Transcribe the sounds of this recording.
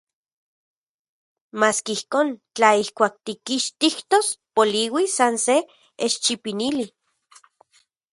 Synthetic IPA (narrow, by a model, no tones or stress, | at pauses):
maːskeihkoːnt͡ɬaihkʷaːk̚t̪ikiʃt̪iht̪ospoliwisanse | eʃt͡ʃipinili